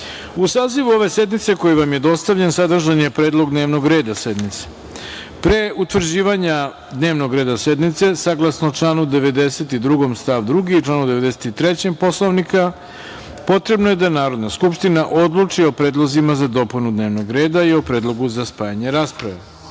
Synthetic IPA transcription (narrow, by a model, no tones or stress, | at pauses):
usaːziʋuo̞ʋe̞se̞d̪nit̪se̞ko̞jiʋamjed̪o̞st̪aʋʎensad̪r̩ʒanjepɾe̞ːd̪lˠoɡd̪ne̞ːʋno̞ɡɾe̞ːd̪ase̞d̪nit̪se̥ | pɾe̞ut̪ʋr̩d͡ʑiːʋaɲa | d̪ne̞ːʋno̞ɡɾeːd̪ased̪nit̪se̞saɡlˠasnot͡ʂlˠaːnud̪e̞ʋe̞d̪e̞set̪id̪ɾuɡo̞mst̪aʋd̪ɾuɡit͡ʂlˠaːnud̪e̞ʋe̞d̪e̞se̥t̪it̪ɾet͡ɕempo̞slˠoʋnika | po̞t̪ɾe̞bnoje̞d̪anaːɾo̞d̪naskupʃt̪inaʔo̞d̪lˠut͡ʂio̞pɾeːd̪lˠozimazad̪o̞punud̪neːʋno̞ɡɾe̞ːd̪aio̞pɾe̞ːd̪lˠo̞ɡuzaspaːjaɲe̞ɾaːspɾaʋe̞̰